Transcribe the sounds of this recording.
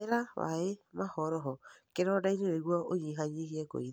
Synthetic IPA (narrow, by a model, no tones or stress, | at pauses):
eɾawa̰emahɔɾɔɦɔkeɾɔdaineɾeɣwaoɲiɦaɲehiɛko̰ið